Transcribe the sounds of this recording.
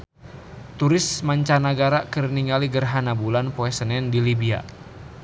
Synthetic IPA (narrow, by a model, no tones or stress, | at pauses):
t̪uɾɪsmaɲt͡ʃanaɡaɾakərniŋaliɡərɦanabulanpoɛsənɛndilibia̰